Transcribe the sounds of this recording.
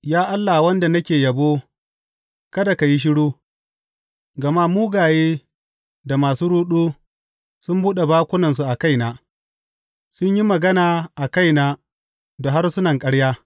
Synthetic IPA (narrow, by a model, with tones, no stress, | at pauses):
jaː˦ʔa˦lːa˨wɐ˦nda˨nɐ˦kʲeː˨jɐ˨boː˦ | kɐ˦da˨ka˨ji˦ʃ̬ɪ˦ɽuː˦ | ɡɐ˨ma˦muː˦ɡaː˨jeː˦ | da˨maː˨suː˦ɽuː˦ɗuː˦ | sʊ˦mbuː˦ɗe˨baː˦kʷʊ˦nɐ˨ns̬u˨ʔa˨ka˦jnaː˦ | sʊ˦ɲji˦mɐ˨ɡɐ˦naː˨ʔa˨ka˦jnaː˨ | do˨ɦa˦rsʊ˦nɐ˨ŋkʼɐ˦ɽjaː˦